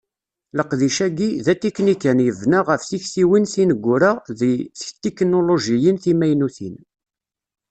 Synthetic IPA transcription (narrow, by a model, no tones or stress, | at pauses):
ləqðiʃæɡiðæt̪iknikænjəvnaʁəfθiçθiwinθinəɡʷːʊɾaðiθçt̪ːeknoloʒijənθimæjnuθin